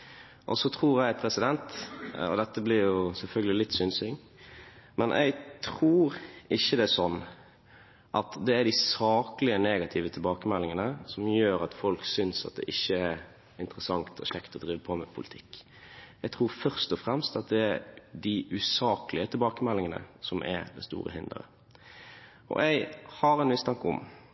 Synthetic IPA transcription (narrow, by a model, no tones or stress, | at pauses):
ʔɔsɔt̪ʰɾuːɾjæɪpʰɾɛsɪd̪ɛnt̪ɔ̰d̪ɛt̪ːəblɪɾjʊsɛlfœlɡəlɪlɪt̪ːsʏnsɪŋ | mɛnʔæ̰ɪɡt̪ʰɾuːɾɪçːəd̪ɛsɔnː | ʔɑt̪d̪ɛæɖ̪ɪsɑːklɪəneːɡɑt̪ʰɪʋət̪ʰɪlbɑːkəmɛlːɪŋənəsɔmjøːɾɑt̪fɔlksʏnsɑ̰t̪̚d̪ɛ̰ʔɪçːəæɾ | ɪnt̪əɾəsɑŋt̪ʰɔʃɛkt̪ʰɔd̪ɾiːʋəpʰɔmɛpʰʊlət̪ʰɪkː | ɛɪɡt̪ʰɾuːɾfœʁst̪ɔfɾɛmst̪ɑt̪̚d̪ɛæɾd̪ɪʔʉsɑːklɪət̪ʰɪlbɑːkəmɛlːɪŋənə̰sɔmʔæ̰ɾd̪ɛ̰st̪ṵːɾə̰hɪnd̪ə̰ɾə̰ | ɔ̰ʔɛɪhɑɾɛnʋɪst̪ʰɑŋkːəɔ̰m